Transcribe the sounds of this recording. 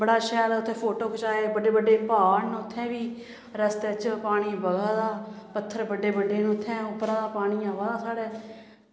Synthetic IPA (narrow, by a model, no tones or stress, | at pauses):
bəɽaːʃɛːlːʊt̪ʰːẽːpʰoːʈoːkt͡ʃaːeːbəɖeːbəɖːeːpaːnʊt̪ʰːɛ̃ːbiː | ɾəst̪et͡ʃpaːɽ̃iːbəɡaːd̪aːpət̪ʰːəɾbəɖːeːbəɖeːnʊt̪ʰːɛ̃ːʊpːɾãːd̪aːpaːɽ̃iːaːʋaːd̪aːsaːɽɛː